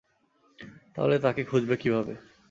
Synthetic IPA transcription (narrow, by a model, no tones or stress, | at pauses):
t̪a̰ɦolet̪akekʰud͡ʑbekibʱabe